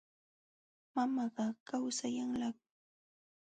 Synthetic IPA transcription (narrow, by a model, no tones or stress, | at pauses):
mamɑɢɑkawsajaŋlɑk̚